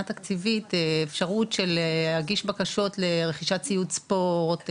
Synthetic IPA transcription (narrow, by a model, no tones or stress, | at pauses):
at̪akt͡sivit̪efʃaʁutʃelehaɡiʃbakaʃo̞tleʁe̞χiʃat͡sijutspo̞ʁt̪